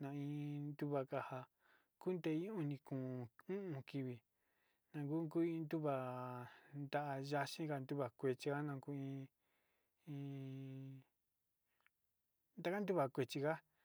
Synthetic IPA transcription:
nã˧ĩ˧nd̪u˦βa˧ka˧ha˧ | ku˦nd̪e˧ĩ˦ũ˧nĩ˧kũː˨ũ˦ʔũ˧ki˧βi˧˨ | nã˧ŋku˦ŋku˦ĩ˧nd̪u˦βa˨ | nd̪a˧ʔa˧ʒa˧ʃĩ˦ka˧nd̪u˦βa˨kʷe˧t͡ʃi˧ka˦nã˧ku˦ĩ˧ | ĩ˧ | nd̪a˧ka˦n˦d̪u˦βa˨kʷe˧t͡ʃi˧ka˦

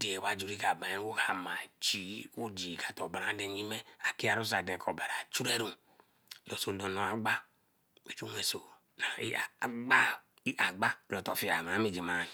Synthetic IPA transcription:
de˨wa˦d͡ʒu˨ɾi˦ka˨ba˨˦wo˦ha˨ma˨t͡ʃi˨˦o˦d͡ʒi˨ka˨to˨ba˨ɾa˨˦de˨ɲi˦me˦a˨ki˦a˨ɾu˦s̬a˨de˨ko˨ba˨ɾa˨t͡ʃu˦ɾe˦ɾu˨ | lo˨so˨do˨no˨a˨ɡ͡ba˦ | e˨t͡ʃu˦ŋe˨so˨ | na˨ḭ˦˨˦ɡ͡ba˦ | i˦ʔa˨ɡ͡ba˦lo˨to˨fi˦a˨ma˨˦me˦˨d͡ʒi˨ma˨˦n˨

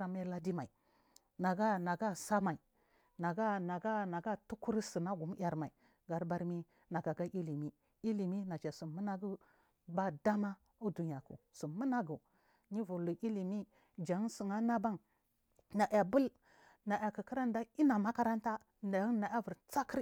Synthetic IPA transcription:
a˨me˦la˦di˦ma˨i˨ | na˨ɡa˦na˨ɡa˦sa˦ma˨i˨ | na˨ɡa˦na˨ɡa˦na˨ɡa˦tu˦ku˦ɾsi˨na˦ɡu˨m˦ja˨ɾma˨i˨ | ɡa˨ɾba˦ɾmi˦ | na˨ɡa˨ɡa˦ʔi˦li˨mi˦ | i˦li˨mi˦na˨t͡ʃa˨su˨mu˦na˦ɡu˦ | ba˦da˦ma˦ | u˦du˨ɲ˨a˨kṵ˨su˨mu˦na˦ɡu˨ | ɲi˦vu˨lu˨ʔi˦li˨mi˦ | d͡ʒa˨˦ŋ˦su˨ŋa˦na˦ba˦ŋ | na˨ʔja˨bu˦l | na˨ja˨kə˨ki˦ɾa˦n˦da˦i˦na˨ma˦ka˦ɾa˦nta˦ | na˨˦ŋ˦na˨a˦vu˨ɾt͡sa˦ki˦ɾ

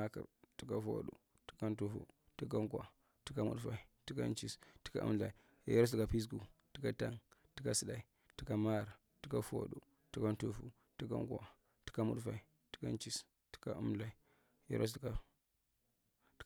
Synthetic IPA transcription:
a˦ka̰˨ɾti̥˨˦ka˦fo̰˨ɗṵ˨ | ti̥˦ka˦n˦tu˦fṵ˦ | ti˦ka˦ŋkʷa̰˨ | ti˦ka˦mṵ˦ɗfa˨i˨ti˦ka̰˦nt͡ʃi˦sti̥˦ka̰˦ʔṵ˦mla˨i˨˦ | e˦ɾo˦s̬di˨ɡa˨pi˦s̬ɡu˨ti̥˦ka˦ta˦ŋti̥˦ka˦si˦da˨i˨ | ti˦ka˦ma˦˨ɾ | ti˦ka˦fo̰˨ɗu˨ | ti˦ka˦n˦tu˦fṵ˦ | ti˦ka̰˦ŋkʷa̰˨ | ti̥˦ka˦mṵ˦ɗfa̰˨i˨ | ti̥˦ka˦nt͡ʃi˦s | ti̥˦ka˦u˦mla˨i˨˦ | jḛ˦ɾʔo˦s̬dɡa˨˦

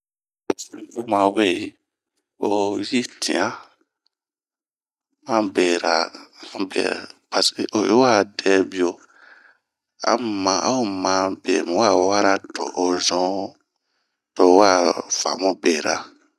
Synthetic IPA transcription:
pa˨sĩ˦bu˦mã˨˧we˦˨i˨ | o˨ji˦tʰḭ̃˨ã˦ | mã˦be˨ɾa̰˨a˦bḛ˨pa˨se˨ʔo˨ji˦wa˦˨dɛ˧˦bi˦˨o˨ | a̰˨mã˨ʔa˦o˦mã˨bḛ˨mĩ˨wa˦˨wa˦ɾa˦to̰˨ʔo˨zɔ̃˦ | to˧˦wa˦˨fa̰˨mɔ̃˦be˨ɾa̰˨

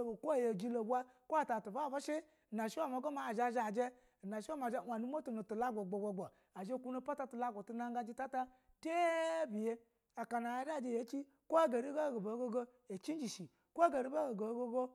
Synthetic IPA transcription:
o˨ko˦˨je˨d͡ʒi˦lo˨bʷa˦ | ko˦a˨ta˨tu˨va˦˨ba˦ʃi˦˨ | na˨ʃi˦wa˦˨m˨a˨˦ɡo˦ma˨˦˨ʒa˧ʒa˨d͡ʒe˦˨ | na˨ʃi˦a˦ma˨˦˨a˨nu˦m˦o˦tu˨nu˨tu˨la˦ɡʷo˨ɡ͡bo˨ɡ͡bo˨ɡ͡bo˨ | a˨ʒe˦kʷu˦no˧pa˦ta˧tu˨la˦ɡʷo˨tu˧na˦ŋɡa˧d͡ʒi˦ta˦ta˦ | te˦bi˨je˦ | a˨ka˨na˨ja˦da˦˨d͡ʒe˧˨je˨˦t͡ʃi˦ | kʷo˦a˦ɡa˨ɾi˦ɡa˦ɡo˨bo˨˦ɡo˦ɡo˦ | e˨t͡ʃi˦n˦d͡ʒi˨ʃi˨ | ko˦a˦ɡa˨ɾi˦ba˦ɡo˨ɡo˨˦ɡo˦ɡo˦

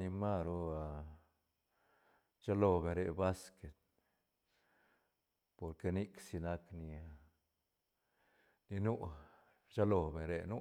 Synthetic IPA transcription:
i˧ma˦ɾu˦a˧ | t͡ʃa˦lo˧be˨ɾe˧ba˦ske˨t̪̚ | po˨ɾke˧ni˦ksi˧na˧kni˧ | ni˧nu˦ | t͡ʃa˦lo˧be˨ɾe˧nu˦

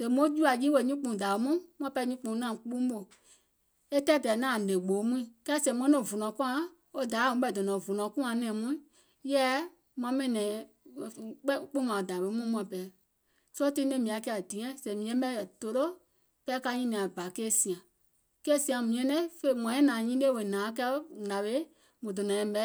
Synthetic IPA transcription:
sɛ˨mõ˦d͡ʒu˦a˨ji˦we˧˨ɲĩ˦k͡pũ˧˨da˨o˨˦mũ˦m˧ã˦pɛ˧˦ɲĩ˦k͡pũ˧˨˦nã˦˨k͡pũ˦ɓo˨ | e˦tɛ˦dɛ˨nãː˦˨lẽ˨ɡ͡bo˨˦mũ˦ĩ˨kɛ˦˨sɛ̃˨˧mɔ̃˦nɛ̃˦˨vu˨nɔ̃˨˦kũ˦ã˧˦ | o˦da˨˦˨ũ˨˦ɓɛ˧˨dɔ˨nɔ̃˨vu˨nɔ̃˨˦kũ˦ã˨˧nɛ̃ː˨mũ˦ĩ˦ | jɛː˦ | mw̃ã˧˦mɛ̃˦˨nɛ̃˨ | k͡pk͡pu˦mã˨o˨da˨ɓe˦mũ˦mũ˦ã˨pɛ˨ | sɔ˦tĩ˦nẽ˦mĩ˨a˨˦kɛ˦a˨dĩ˨ɛ̃˦sɛ̃˨˦mĩ˨ɛ̃˦ɓɛ˦jɛ˨to˨˦lo˦ | kɛ˧˦ka˧˦ɲĩ˦nĩ˨ã˨ba˨keː˦sĩ˨ã˨ | kɛ˦sĩ˧ã˨mĩ˨ɛ̃˧˦nɛ̃˦fe˧˨mã˨˦ɛ̃˦nãː˨ɲĩ˦le˦˨we˨nãː˨˦k̬ɛ˦ŋa˨ɓe˨˦ | mũ˨dɔ˨nɔ̃˨ɛ̃˧˦ɓɛ˧˦

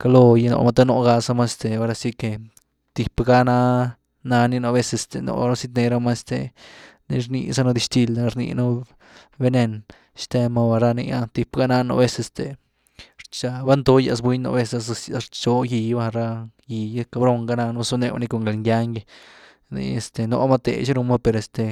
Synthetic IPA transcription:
ka˧lo˧ji˧no̰˧ma˦t̪a˦no˧ɡa˧sa˧˦ma˦e˧st̪e˨o˦ɾa˧si˦ke˨ | t̪i˨pɡa˦na˦ | na˧ni˦no˧be˦se˧st̪e˨no̰˨ɾa˦si˦t̪ne˧ɾa˦ma˦st̪ḛ˨nḭ˧ɾnḭ˧sa˦no˧d̪i˧ʃt̪i˧la˧ɾnḭ˧no˦ | be˦ne˧n | ʃt̪e˧ma˧ba˧ɾa˦˧nḭ˧ja˦t̪i˨pɡa˦na˦no̰˧be˦se˧st̪e˨ | ɾt͡ʃa˧ba˦nd̪o˦ja̰˧s̬bwi˦ɲno̰˧be˦sa˧ssja˧ɾt͡ʃo˧ji˧ba˦˧ɾa˦ji˧ja˦ka˧bɾo˧ŋɡa˦na˧no˦su˦ne˧wa̰˧ni˧ko˧˨ŋɡe˨lŋɡʲa˦ŋɡe˧ | nḭ˧e˧st̪e˨no̰˧˦ma˦t̪ḛ˨t͡ʃi˦ɾu˧ma˦pe˧ɾe˨st̪e˨

